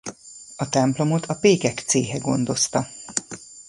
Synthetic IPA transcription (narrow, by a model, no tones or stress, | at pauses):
ɒt̪ɛmplo̞mot̪ʰɒpeːkɛkt̪seːɦɛɡo̞̰nd̪o̞st̪ɒ